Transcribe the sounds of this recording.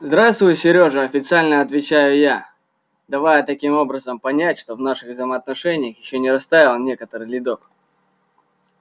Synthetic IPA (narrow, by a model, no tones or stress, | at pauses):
zd̪ɾast̪vʊjʊsʲɪɾʲo̞ʐɨɐfʲɪt̪sɨalʲnəɐt̪vʲɪt͡ɕæjʊja | d̪ɐvajət̪ɐkʲimo̞bɾəzəmpɐnʲætʲʂt̪o̞vnaʂɨɣvzəjməːt̪nɐʂɛnʲɪjəxjɪɕːonʲɪɾɐst̪aɪlˠnʲe̞kət̪əɾɨjlʲɪd̪o̞k